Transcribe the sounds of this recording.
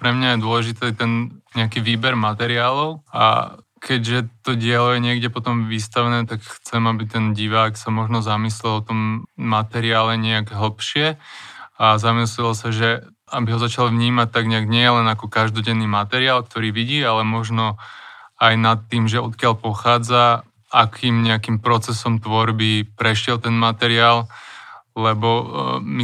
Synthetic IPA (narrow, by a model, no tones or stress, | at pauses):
pɾɛmɲajɛd̪ʊɔlɛʒit̪ɛt̪ɛnɲɛakiːʋiːbɛɾmat̪ɛɾɪaːlɔʊa̰ | kʰɛɟʒɛt̪ɔɟɪɛlɔjɛɲɪɛɡɟɛpɔt̪ɔmʋist̪aʋɛnɛːt̪akxt͡sɛmabit̪ɛnɟiʋaːksamɔʒnɔzamislɛlɔt̪ɔmːat̪ɛɾiaːlɛɲɛaɡɦl̩pʃɪɛ | azamislɛlɔsaʒɛ | abiɦɔzat͡ʃalʋɲiːmac̚t̪aɡɲɛaɡɲɪɛjɛlɛnakɔkaʒd̪ɔɟɛnːiːmat̪ɛɾɪaːlk̚t̪ɔɾiːʋiɟiːalɛmɔʒnɔ | ajnat̪ːiːmʒɛɔt̪̚kɪaʎpɔxaːd͡za | akʰiːmɲɛakiːmpɾɔt͡sɛsɔmt̪ʋɔɾbipɾɛʃɪɛlt̪ɛnmat̪ɛɾɪaːl | lɛbɔmi